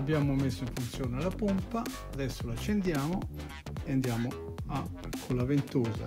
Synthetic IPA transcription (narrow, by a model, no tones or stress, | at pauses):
abːjaːmʊmesːʊiɱfunt̪sjoːnɛlapumpaː | ðɛsːolat͡ʃːɛnd̪jaːmʊ | ɛand̪jaːmʊ | a | kʰːolavent̪oːza̰